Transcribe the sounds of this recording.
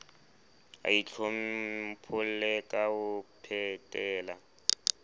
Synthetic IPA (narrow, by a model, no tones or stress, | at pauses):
a̰it͡ɬʰom̩pʰʊl̩lɛkʼaʊpʰɛtʼɛːla